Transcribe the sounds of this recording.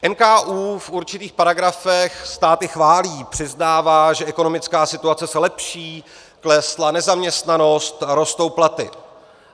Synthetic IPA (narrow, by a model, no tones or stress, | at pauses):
ʔɛnkaːʔuːfʔuɾt͡ʃɪt̪iːxpaɾaɡɾafɛxst̪aːt̪ɪxvaːliːpr̥ɪznaːvaːʒɛʔɛko̞no̞mɪt͡skaːsɪt̪uat͡sɛsɛlɛpʃiː | klɛslanɛzamɲɛst̪nano̞st̪ɾo̞st̪o̞wplat̪ɪ̰